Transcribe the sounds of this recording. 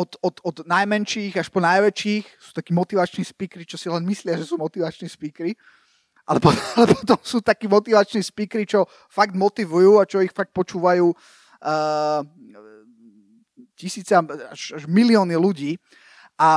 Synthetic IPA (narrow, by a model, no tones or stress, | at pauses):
ɔt̪ɔt̪ɔd̪najmɛnʃiːɣaʃpɔnajʋɛt͡ʃiːxsuːt̪akiːmɔt̪iʋat͡ʃnispiːkɾit͡ʃɔsilɛnmislɪaʒɛsuːmɔt̪iʋat͡ʃnispiːkɾi | ʔalɛpɔalɛpɔ̥t̪ɔmsuːt̪akiːmɔt̪iʋat͡ʃnispiːkɾit͡ʃɔ | faɡd̪mɔt̪iʋujuːat͡ʃɔixfak̚t̪̚pɔt͡ʃuːʋajuː | cisiːt͡sɛa̰ʃaʒmiliɔːniluɟiː | ʔa